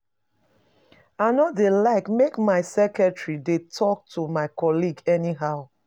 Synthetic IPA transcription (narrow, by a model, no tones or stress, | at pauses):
aɪnɔtdelaɪkmekmaɪsɛkɛtɹidetʰɔk̚tʰumaɪkɔliɡɛniɦaʊ